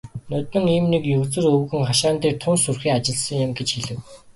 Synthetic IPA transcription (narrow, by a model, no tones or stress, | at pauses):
nœt̪ɘ̆ŋiːmnekjɵwt͡sɘ̆rɵwɣɘ̆ŋχaʃaːnt̪iːk̚t̪ʰʊnsurxiːŋat͡ɕɪ̆ɮsə̆ŋjɪ̆mɡet͡ɕxeɮɘ̆w